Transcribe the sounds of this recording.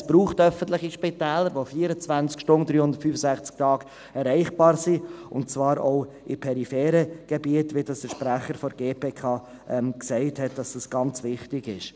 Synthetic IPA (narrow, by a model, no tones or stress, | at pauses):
sb̥ɾuːχtœfən̩tlɪχiʃpɪtɛːləɾʋofiːəɾət͡svænt͡skʃtʊnd̥̪ɾyːhʊndə̥ɾtfyːfəsæχt͡sk̚tʰɑːɡ̥ | ɛɾɛɪχb̥ɑːɾsiʊntt͡svɑːɾoʊ | ʔɪpʰɛɾifɛːɾəɡ̥ɛbiətʋɪdɑsd̥əɾʃpɾæχəɾfɔɾɡeːpʰeːkʰɑː | ʔɛmksɛɪthɛt̚d̥ɑsd̥ɑsɡ̥ɑnt͡sʋɪχtɪɡɪʃ